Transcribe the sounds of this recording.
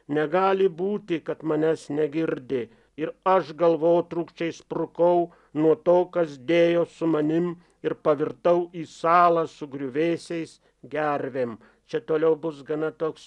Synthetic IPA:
nʲɛɡɑːlʲɪbuːt̪ʲɪkɐt̪mɐnʲæsnʲɛɡʲɪɾʲd̪ʲɪ | ɪɾɐʃɡɐlˠʋoːjt̪ɾuːkʃʲt͡ʃʲɛɪspɾʊkɐʊ | nuɔt̪oːkɐsd̪ʲeːjoːsʊmɐnʲɪm | ɪɾpɐʋʲɪɾt̪ɐʊiːsɑːlˠɐsʊɡɾʲʊʋʲeːsʲɛɪs | ɡʲæɾʲʋʲeːm | t͡ʃʲɛt̪oːlʲɛʊbʊs̬ɡɐnɐt̪oːks

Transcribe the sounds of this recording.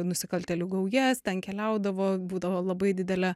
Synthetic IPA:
nʊsʲɪkɐlʲt̪ʲɛlʲuɡɐʊjɛst̪ʲɛnkʲɛlʲɛˑʊd̪ɐʋoːbuːd̪ɐʋoːlˠɐbɐɪd̪ʲɪd̪ʲɛlʲɛ

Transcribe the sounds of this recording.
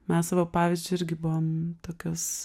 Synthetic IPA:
mʲɛssɑʋopɑːʋʲiːzʲd͡ʒʲʊɪɾʲɡʲɪbʊʋomt̪oːkʲoːs

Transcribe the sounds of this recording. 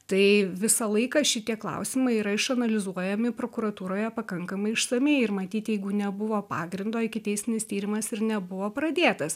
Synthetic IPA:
t̪ɐɪʋʲɪsɐlˠɐɪkɐʃʲɪt̪ʲiɛklˠɐ̰ʊsʲɪmɐɪiːɾɐɪʃɐnɐlʲɪzuɔjɛmʲɪpɾoːkʊɾɐt̪uːɾoːjɛpɐkɐŋkɐmɐɪɪʃsɐmʲeɪɪrmɐt̪ʲiːt̪jɛɪɡʊnʲɛbʊʋoːpɑːɡɾʲɪnd̪oːɪkʲɪt̪ʲɛɪsʲɪnʲɪst̪ʲiːɾʲɪmɐsɪɾnʲɛbʊʋoːpɾɐd̪ʲeːt̪ɐs

